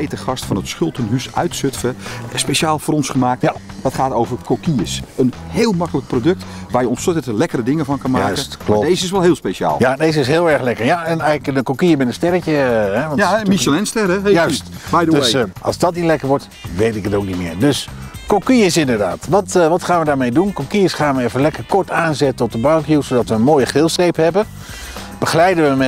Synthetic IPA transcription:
ejtəχɑstfɔnətsχʏlˠtənhysœɥtsøtfəspeʃaːlˠfoːɾɔnsχəmaːk̚td̥ɔtχaːtoːwvərkʰokiəsənheːlˠmɑkələk̚prodøk̚tʋaːrjəɔnsøtətəlɛkərədɪŋəvɑnkɑnmaːkəstkladeːzəɪs̬ʋɛlˠhɪːlˠspeʃa̰ːlˠjadezəɪsɦɪːlˠɛɹxlɛkəɹjaɛnɛjləkəkokiəmɪnənstɛɾəkəɛʋɔnmisəlɛnstɛɾɛjœɥstbjdøsʔɑ̰lˠzdɔtnilɛkəɹʋɔɹt | ʋejtɪkətoːwknitmɪ̰ːɹdøskokiəsɪndəɹda̰ːtʋɔtʋɔtχaːnʋədaːɹmejdunkokiəsχaːnʋəefəlɛkəɹkɔɹtaːnzɛtəɔt̚dəbalkjusodɑtʋəənmoːjəχrɪːlˠsejphɛbə | b̥əxəlɛjdəʋəmɛ

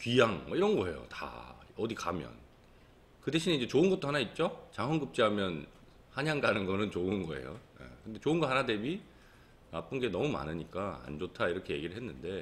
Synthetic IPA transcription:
kɥijaŋmʌiɾʌnɡʌe̞̰jo̰ta̰ʌdikamjʌ̰n | kɯde̞ɕʰineid͡ʑe̞t͡ɕoɯnɡʌt͈oɦanait̚t͡ɕ͈ot͡ɕaŋɦwʌnɡɯp̚t͡ɕ͈iɦamjʌn | haɲaŋɡanɯnɡʌnɯnt͡ɕoɯnɡʌe̞̰jo̰jḛkɯnde̞t͡ɕoɯnɡʌɦanade̞bi | nap͈ɯnɡe̞nʌmuma̰nɯɲik͈aa̰nd͡ʑotʰaiɾʌkʰe̞je̞ɡiɾɯɭɦenːɯnde̞

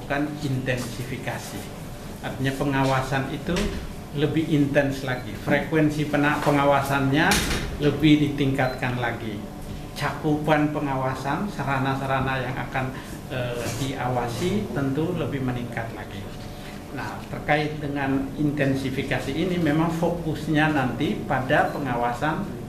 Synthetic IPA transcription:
kanint̪ɛnsifikasḭ | art̪iɲapəŋawasanit̪u | ləbɪint̪ɛnslaɡifɾekwɛnsipənapəŋawasanɲaləbɪhdit̪iŋkat̪̚kanlaɡi | t͡ʃakupanpəŋawasansəɾanasəɾanajaŋʔa̰kan | ədiʔawasit̪ənt̪uləbɪhməniŋkat̪̚la̰ɡḭ | naht̪ərkaɪt̪̚dəŋanint̪ɛnsifikasiːnimemaŋfokusɲanant̪ipadapəŋawasan

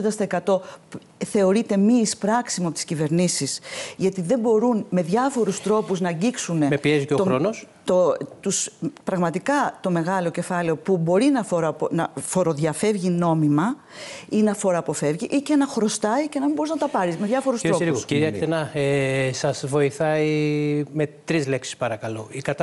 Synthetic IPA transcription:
d̪ɐst̪oekɐt̪o̞ | θe̞o̞ɾit̪e̞mispɾɐksimuɐpot̪i̥scive̞ɾnisisʝɐt̪iðe̞mbo̞ɾunme̞ðʝɐfo̞ɾust̪ɾo̞puznɐɲɟiksune̞mepieziceot̪oɾonost̪ot̪uspɾɐɣmɐt̪ikɐt̪o̞me̞ɣɐlo̞ce̞fɐle̞o̞pubo̞ɾinɐfoɾponɐfo̞ɾo̞ðʝɐfe̞vʝino̞mimɐ | inɐfo̞ɾɐːpo̞fe̞vʝiʔicenɐxɾo̞st̪ɐice̞nɐmimbo̞ɾiznɐt̪ɐpɐɾizme̞ðʝɐfo̞ɾustɾo̞usiɾiɐkt̪enɐesɐzvo̞iθɐime̞t̪ɾizle̞ksi̥spɐɾɐkɐloikɐt̪

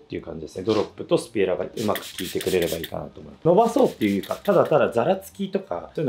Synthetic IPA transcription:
t̪ːeiɯ̟kãɲ̟d͡ʑid̪e̞sɨned̪o̞ɾo̞pːɯ̟t̪o̞sɨ̥pʲiɾaɡa̰ɯ̟makɯ̟̥kʲiːt̪e̞kɯ̟ɾe̞ɾe̞baiːka̰na̰t̪o̞ːmo̞imno̞baso̞ːt̪ːejɯɯ̟kat̪ad̪at̪ad̪azaɾat͡sɨ̥kʲit̪o̞ka̰soːin

